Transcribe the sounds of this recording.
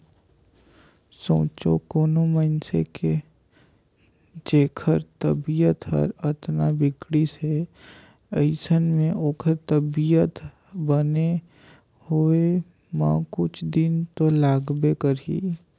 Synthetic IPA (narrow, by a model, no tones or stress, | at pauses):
sõ̰ːt͡ʃo̰koːnoməɪnsḛke | d͡ʒeːkʰəɾt̪əbijət̪ɦə̰ɾət̪nabɪkɽise | əɪsənmẽʔoːkʰəɾt̪əbijət̪ | bəne | hoe | mã̰kʊt͡ʃʰd̪ɪnt̪olaːɡbekəɾḭ